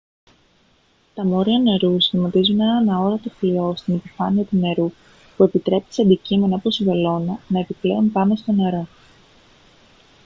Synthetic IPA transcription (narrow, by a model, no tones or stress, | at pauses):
t̪ɐmo̞ɾiɐne̞ɾusmɐt̪izunenɐnɐo̞ɾɐt̪oflio̞st̪inepifɐniɐt̪une̞ɾu | pue̞pit̪ɾe̞pi̥seɐnd̪icime̞nɐpo̞sivelo̞nɐnɐe̞pipleonpɐmest̪o̞ne̞ɾo̞